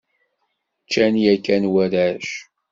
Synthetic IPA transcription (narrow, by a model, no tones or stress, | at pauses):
t͡ʃːænjækːænwæɾæʃ